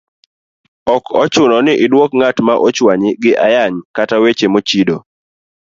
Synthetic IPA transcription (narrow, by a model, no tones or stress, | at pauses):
ɔkɔt͡ʃʊnɔnɪʔɪdwokŋatmaʔot͡ʃwaɲɪɡɪʔajaɲkatawet͡ʃemot͡ʃido